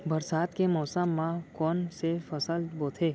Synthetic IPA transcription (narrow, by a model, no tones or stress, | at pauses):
bɐɾsaːt̪kemɔːsəmːãkɔːnsefɐsəlboːt̪ʰeː